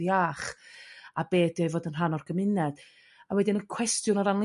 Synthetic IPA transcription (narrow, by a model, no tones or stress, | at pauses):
jaːχ | abeːdiɔjvoːdənranɔrɡ̥əmɪnɛd̥ | awɛdinəkʰw̥ɛstjʊnɔɾanlˠ